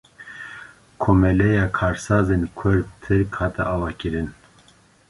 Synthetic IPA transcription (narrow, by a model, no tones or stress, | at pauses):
kʰoːmɛlɛjɑːkʰɑːɾsɑːzenkʰʊɾ̚t̪ʰɨɾkhɑːt̪ʰɛ̰ʔɑːvɑːkɨɾɨn